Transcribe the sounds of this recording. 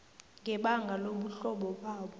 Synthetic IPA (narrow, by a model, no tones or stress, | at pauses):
ŋɡʱɛɓaŋɡʱaloɓuɬɔɓɔɓaːɓɔ